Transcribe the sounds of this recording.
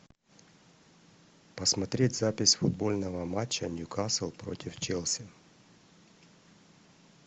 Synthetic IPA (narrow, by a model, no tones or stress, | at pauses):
pɐsmɐt̪ɾʲetʲzapʲɪsʲfʊd̪̚bo̞lʲnəvəmat͡ɕːənʲjʊkasɨlˠpɾo̞̰tʲɪft͡ɕɛlˠsʲɪ